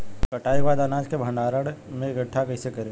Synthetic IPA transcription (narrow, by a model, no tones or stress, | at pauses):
kɐʈaːiʋaːd̪aːnaːd͡ʒkebʱə̃ɳɖaːɾəɽmẽɪɡəʈʰːakɐisekɐɾe